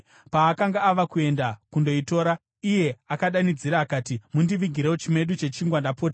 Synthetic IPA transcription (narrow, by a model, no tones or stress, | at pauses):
paːkaŋɡaːʋakue̞ndakundo̞ito̞ːɾa | ije̞akaɗanid͡ziɾaːkaːtimundiʋiɡʱiɾeot͡ʃime̞ɗut͡ʃe̞t͡ʃiŋɡwandapoːta